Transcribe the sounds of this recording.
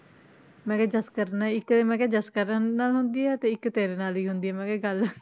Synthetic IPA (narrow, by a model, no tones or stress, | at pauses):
mɛ̃ːkɛːd͡ʒəskəɾnaɪk̪emɛ̃ːkɛːd͡ʒəskəɾnaːlɦʊnd̪iːɛːt̪eːɪkːt̪eːɾeːnaːliːɦʊnd̪iːɛːmɛ̃ːkɛːɡəl